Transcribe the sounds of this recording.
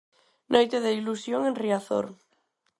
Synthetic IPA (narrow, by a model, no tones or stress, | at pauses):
nʔojt̪eðeilusjoŋẽnriaθo̰ɾ